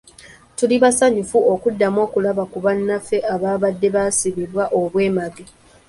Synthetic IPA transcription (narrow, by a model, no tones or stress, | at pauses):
tuliβasaɲufuo̞kudːamo̞ːkulaβakuβanːafe̞ʔaβaːβadːe̞βaːsiβiɾwaʔo̞βwe̞ːmaɡe